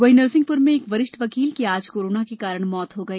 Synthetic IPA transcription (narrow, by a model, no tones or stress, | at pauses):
ʋɐɦinəɾsɪ̃ŋɡ̚pʊɾmẽeːkʋɐɾɪʃʈʋɐkiːlkiaːd͡ʒkoːɾoːnakekaːɾəɽ̃mɔːt̪ɦoɡɐiː